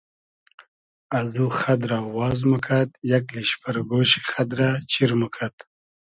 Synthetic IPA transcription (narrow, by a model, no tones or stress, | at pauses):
azuχad̪ɾawɑːzmukʰat̪̚jakliɕpʰaɾɡoːɕi̥χad̪ɾat͡ɕiɾmukʰat̪